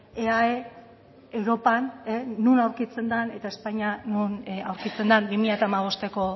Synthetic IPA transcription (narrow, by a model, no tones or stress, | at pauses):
eae | ewɾo̞paneːunawɾkit͡se̞nd̪ane̞t̪ae̞spaɲanunawɾkit͡se̞nd̪anbimiʎat̪aːmaβ̞o̞st̪e̞ko̞